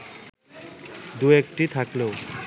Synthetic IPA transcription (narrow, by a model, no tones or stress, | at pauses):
d̪uek̚ʈit̪ʰaklew